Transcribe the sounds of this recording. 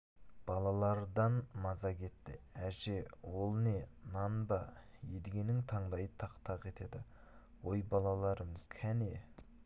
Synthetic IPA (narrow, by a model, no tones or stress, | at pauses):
b̥ɑlˠɑlˠɑɾd̪ɑnmɑzɑkʲʰe̞t̪ːɪ̰æʒe̞wo̞lˠne̞nɑnbɑjed̪ɪɡʲe̞nɪŋt̪ʰɑɴd̪ɑjət̪ʰɑqt̪ʰɑqe̞t̪e̞d̪ɪ | wo̞jbɑlˠɑlˠɑɾəməz̥kʲʰæne̞